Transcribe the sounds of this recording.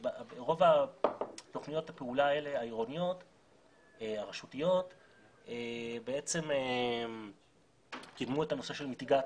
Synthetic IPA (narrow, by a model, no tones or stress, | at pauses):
babeʁo̞va | to̞χnijo̞thape̞ulae̞le̞aiʁo̞nijo̞t | aʁeʃutijo̞t | ebe̞e̞t͡se̞me | kidmuetano̞se̞ʃe̞lmitiɡa